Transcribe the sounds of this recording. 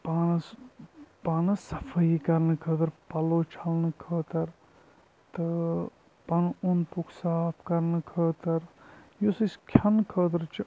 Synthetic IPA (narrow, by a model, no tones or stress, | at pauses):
panɐs | paːnɐsɐfʰɐikɐɾnɨkʰəːt̪ɐɾpɐloːt͡ʃʰɐlnɨkʰəːt̪ɐɾ | t̪ɨ | pɐnunpukʰsaːpʰkɐɾnɨkʰəːt̪ɐɾjosəskʲʰɐnkʰəːt̪ɐɾt͡ʃʰi